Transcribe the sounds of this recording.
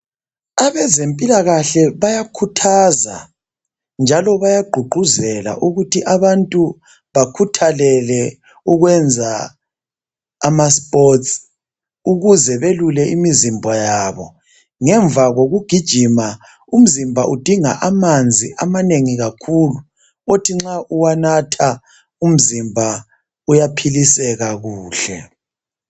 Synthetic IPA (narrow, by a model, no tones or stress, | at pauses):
aβɛzempʼilaɣaɬɛβajakʰutʰaza̰ | nd͡ʒʱalɔβajaɡ͡ǃʱuɡ͡ǃʱuzɛla̰ʔuɣutʰiʔaβantʼu | βakʰutʰalɛlɛ | uɣwɛnd͡zʱa | maspʼɔts | uɣuzɛβelulɛʔimizimbʱɔjaːβɔ | ŋɛɱb̪vaɣoɣuɡ̥ʱid̥ʒ̥ʱima | um̩zimbʱaʔud̥ʱiŋa̰ʔamand͡zʱiʔamaneŋiɣakʰulu | otʰiŋ͡ǁaʔuwanatʰa | um̩zimbʱa | ujapʰilisɛɣaɣuːɬɛ